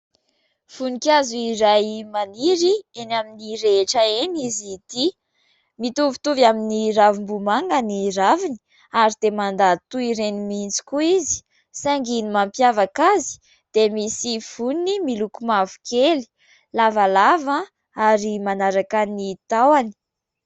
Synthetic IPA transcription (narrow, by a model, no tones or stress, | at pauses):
funikazuiɾajmaniɾienaminiɾeeʈ͡ʂəenizit̪i | mit̪uvit̪uvaminiɾavumbumaŋɡaniɾavini̥ | aɾid̪emand̪at̪uiɾenimint͡si̥kuizi̥ | saŋɡinimampjavakazi̥ | d̪̥emisiv̥unimilukumavu̥kʰeli̥ | lavalava | aɾimanaɾakanit̪awani̥